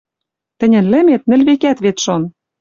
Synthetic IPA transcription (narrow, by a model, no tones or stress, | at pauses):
t̪ɘ̆nʲɘ̆nlɘ̆met̪̚nɘ̆lβekæt̪βet̪ʃon